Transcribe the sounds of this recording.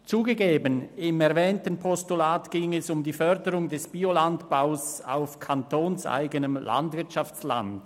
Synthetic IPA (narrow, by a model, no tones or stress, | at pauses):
t͡suːɡəɡeːbənɪmɛɐvɛːntənpʰɔstulaːtɡ̥ɪŋɛsʊmdiːfœɐdəʁʊŋdɛsb̥iolantb̥aʊsa̰ʊfkʰantʰoːnsʔa̰ɪɡənəmlʔa̰ndvɪɐtʃaft͡sla̰nd